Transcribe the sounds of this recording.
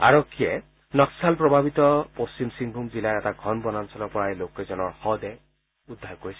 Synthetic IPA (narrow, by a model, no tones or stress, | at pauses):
a̰ɹɔkʰːiɛ | nɔksalpɹɔbʱabit̪ɔpost͡ʃimsiŋɡʱumzilajɹɛtaɡʱɔnbɔnansɔlɔpɔɹajlokːɛzɔnɔɹxɔd̪ɛ | ud̪ʱːaɹkoɹisɛ